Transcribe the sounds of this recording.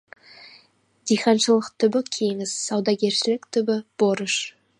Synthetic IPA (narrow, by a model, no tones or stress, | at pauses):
d̪ijχɑnʃəlˠəqt̪ʰʏbɪkʲʰe̞ŋɪzːɑwd̪ɑɡʲe̞ɾʃɪlɪkt̪ʰʏbɪb̥oɾəʃ